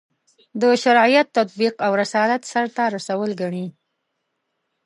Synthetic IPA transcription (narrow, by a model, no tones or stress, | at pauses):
d̪əʃaɾɑijat̪ːat̪̚biqawɾasɑlat̪saɾt̪aɾasawəlɡaɳi